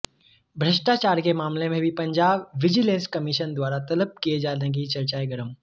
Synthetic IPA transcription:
bʱɾɐʃʈaːt͡ʃaːɾkemaːmlẽmẽbʱipɐ̃ɲd͡ʒaːbːɪd͡ʒilẽːnskɐmɪʃənd̪waːɾat̪ɐləb̚kied͡ʒaːdẽɡit͡ʃɐɾt͡ʃaːeɡɐɾəm

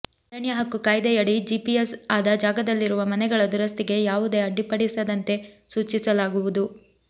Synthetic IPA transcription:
ɾɐɳjɐɦɐkːukaːjd̪ɐjɐɽid͡ʒiːpiesaːd̪ɐd͡ʒaːɡɐd̪ɐlːiɾuʋɐmɐnɛɡɐɭɐd̪uɾɐst̪iɡe̞jaːʋud̪e̞ɐɖːipɐɽisɐd̪ɐnt̪e̞ | suːt͡ʃisɐlaːɡuʋud̪u

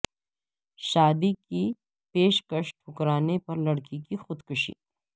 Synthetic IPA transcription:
ʃaːd̪iki | peːʃkəʃʈʰʊkɾaːnepɐɾlɐɽkikixʊd̪kʊʃḭ

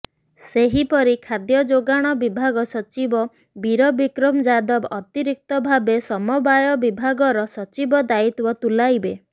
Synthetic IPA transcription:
seɦipɔɾikʰad̪jɔd͡ʒoɡaɽ̃ɔbibʱaɡɔsɔt͡ʃibɔ | biɾɔbikɾɔmd͡ʒad̪ɔbɔt̪iɾik̚t̪ɔbʱabesɔmɔbajɔbibʱaɡɔɾɔsɔt͡ʃibɔd̪ait̪bɔt̪ulajbe

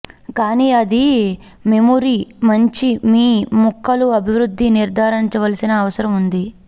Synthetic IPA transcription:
kaːniːɐd̪i | memuɾimɐɲt͡ʃimiːmukːɐluɐbʱiʋɾud̪ʱːiniɾd̪ʱaːɾɐniɲt͡ʃɐʋɐlɐsinɐːʋɐsɐɾɐmund̪i

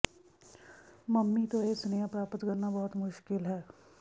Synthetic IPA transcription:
məmːit̪oesnejãpɾaːpət̪kɐɾnabɔɦʊt̪mʊʃkɪlɦɛː

